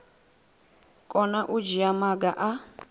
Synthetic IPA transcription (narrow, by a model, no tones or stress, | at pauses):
kʼɔnaʔud͡ʒiamaɡaʔa